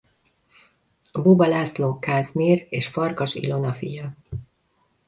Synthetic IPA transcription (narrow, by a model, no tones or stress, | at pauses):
bubɒlaːsloːkaːzmiːreːʃfɒrkɒʃḭlo̞nɒfḭjɒ